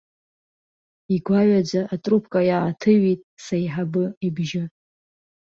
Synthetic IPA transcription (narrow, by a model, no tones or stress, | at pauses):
iɡʷaɥad͡ʒʷaʔatʼrupʰkʼajaʕatʰɨɥitʼsajħabɨibʒɪ